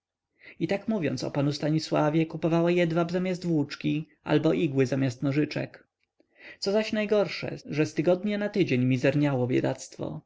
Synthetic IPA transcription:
it̪akmuvʲjɔ̰nt̪sɔ̰panust̪aɲiswavʲjɛkupɔvawajɛd̪vabzamʲjasd̪vwut͡ʂkʲi | a̰lbɔʔiɡwɘzamʲjast̪nɔʐɘt͡ʂɛ̰k | t̪sɔzaɕnajɡɔɾʂɛ̰ʐɛst̪ɘɡɔd̪ɲɛnat̪ɘd͡ʑeɲmʲizɛɾɲawɔbʲjɛ̰d̪at̪st̪fɔ̰

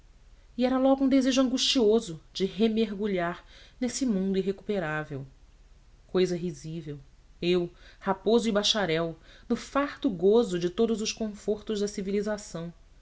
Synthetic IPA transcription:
iɛɾɐlɔɡʊũd̪ezeʒʊɐ̃ŋɡuʃt͡ʃiozʊd͡ʒɪɦemeɾɡuʎaɾnesɪmũnd̪uiɦeku̥peɾavew | kojzɐɦizivew | ewhapozʊibaʃaɾɛwnʊfaɾt̪ʊɡozʊd͡ʒɪt̪od̪ʊzʊʃkõfoɾt̪ʊʒd̪ɐsivilizasɐ̃w̃

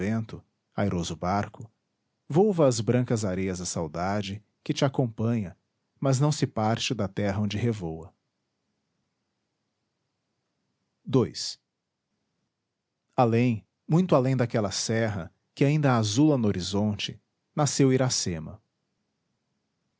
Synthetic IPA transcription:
ẽnt̪ʊ | ajɾozʊbaɾkʊ | vowvɐːzbɾɐ̃ŋkɐzaɾejɐzd̪ɐsawd̪ad͡ʒɪ | kɪt͡ʃɪakõpɐ̃ɲɐ | mɐznɐ̃w̃sɪpaɾt͡ʃɪd̪ɐt̪ɛɦɐõd͡ʒɪɦevowɐ | d̪ojs | alẽj̃ | mũj̃t̪ʊalẽj̃d̪akɛlɐsɛɦɐ | kɪaĩnd̪ɐːzulɐnʊoɾizõnt͡ʃɪ | nasewiɾasẽmɐ̰

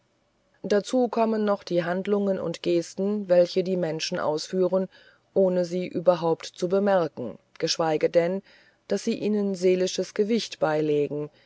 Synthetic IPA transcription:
d̥at͡suːkʰɔmənːɔχd̥iːɦandlʊŋənʊ̰ntɡ̥eːstn̩vɛlçədiːmɛnʃn̩ʔa̰ʊsfyːʁən | ʔoːnəziːʔyːbɐɦaʊptt͡subəmɛɐkŋ̩ɡ̥əʃv̥aɪɡədɛn | d̥asz̥iːʔiːnənzeːlɪʃəsɡ̥əvɪçtb̥aɪleːɡŋ̩

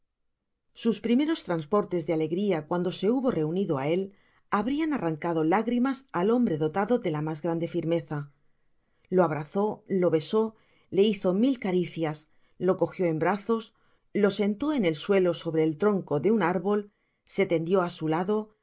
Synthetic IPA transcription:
suspɾime̞ɾo̞st̪ɾanspo̞ɾt̪e̞zðeale̞ɣɾiakwand̪o̞se̞uβo̞re̞uniðoa̰e̞l | aβɾianaraŋkaðolaɣɾimasalo̞mbɾe̞ðo̞t̪aðo̞ðe̞lamazɣɾand̪e̞fiɾme̞θa | lo̞aβɾaθo̞lo̞βe̞so̞ | le̞iθo̞milkaɾiθjas | lo̞ko̞xjo̞e̞mbɾaθo̞s | lo̞se̞nt̪o̞e̞ne̞lswe̞lo̞so̞βɾe̞ːlt̪ɾo̞ŋko̞ðe̞unaɾβo̞l | se̞t̪e̞nd̪jo̞asulaðo̞

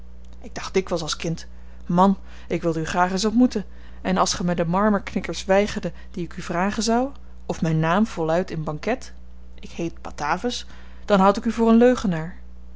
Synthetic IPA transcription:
ɪɡ̚d̥ɑχd̥ɪkʋəlˠsɑlˠskɪnt | mɑn | ʔɪkʋɪlˠdəyχraːχəns̬ɔtmutən | ɛnɑlˠsχəmɛdəmɑɹməɹknɪkəɹsʋɛjχəɹdə | d̥iɪkyvraːχənzʌw | ɔfmɛjnːaːmv̥ɔlˠœɥtɪnbɑŋkɛt | ʔɪkhejt̚pɑ̰taːvəs | d̥ɑnɦʌwtɪkyvʊːrənløɥχənaːɹ

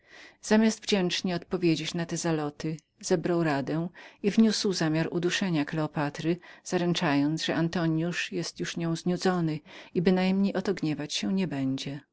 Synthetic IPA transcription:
z̥amʲjasd̪vd͡ʑɛnt͡ʂɲɛɔt̪pɔvʲjed͡ʑet͡ɕnat̪ɛzalɔt̪ɘ | z̥ɛbɾawɾad̪ɛw̃ivɲuswzamʲjaɾud̪uʂɛɲaklɛɔpat̪ɾɘz̥aɾɛnt͡ʂajɔnt̪ʐɛʔant̪ɔɲjuʂjɛst̪juʂɲɔ̃w̃zɲud̪zɔnɘibɘnajmɲejʔɔt̪ɔɡɲɛvat͡ɕɕɛɲɛbɛɲd͡ʑɛ

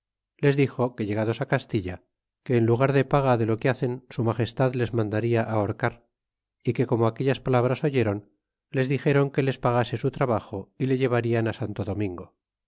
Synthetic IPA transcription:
le̞zðixo̞ke̞ʎe̞ɣ̞aðo̞sakast̪iʎa | ke̞ːnluɣ̞aɾðe̞paɣaðe̞lo̞keaθe̞nsumaxe̞st̪aðle̞zmãnd̪aɾiaʔaoɾkaɾ | ike̞ko̞moake̞ʎaspalaβ̞ɾaso̞ʝe̞ɾo̞n | le̞zðixe̞ɾo̞ŋke̞le̞spaɣase̞sut̪ɾaβaxo̞ile̞ʎe̞β̞aɾianasant̪o̞ðo̞mĩŋɡo̞

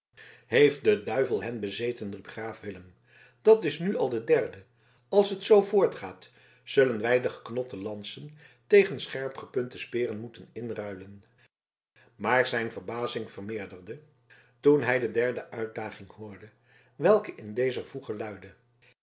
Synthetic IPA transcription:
hejft̚dədœɥvəlˠɦɛnbəzejtənripχraːfʋɪləm | d̥ɑtɪsnyɑlˠdədɛɹdə | ɑlˠsɦətsowvʊːɹtχaːt | z̥ɵlənʋɛjdəχə̥knɔtəlɑnsən | tejχənsχɛɹpχəpɵntəspɪːrənmutənɪnrœɥlən | maːɹzɛjnvəɹbaːzɪŋvəɹmɪːɹdəɹdə | tunɦɛjdədɛɹdəʔœɥt̚daːχɪŋhʊːɹdə | ʋɛlˠkəʔɪndejzəvuχəlœɥdə

